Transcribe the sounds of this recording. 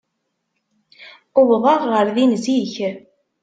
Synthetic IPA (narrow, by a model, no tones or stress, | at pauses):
ʊwðˤɑʁːəɾðinziç